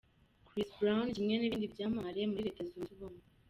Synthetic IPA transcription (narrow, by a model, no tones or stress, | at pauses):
kɾisbɾawnimŋeniβiːndibjaːmaɾeemuɾiɾekezonzuβome